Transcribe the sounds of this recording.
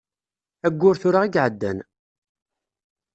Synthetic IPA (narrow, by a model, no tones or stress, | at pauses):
æɡʷːʊɾθʊɾaʁiɡʕəd̪ːæ̰n